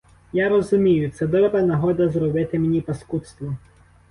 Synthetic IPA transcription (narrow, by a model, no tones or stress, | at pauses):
jaɾɔzʊmʲijʊt̪sɛd̪ɔbɾɐnɐɦɔd̪ɐzɾɔbɪt̪ɪmenʲipɐskut̪st̪ʋɔ